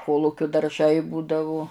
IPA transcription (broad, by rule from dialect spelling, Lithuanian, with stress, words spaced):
ˈkoːlˠʊkʲʊ dɐrˈʒɐɪ ˈbuːdɐʋʊ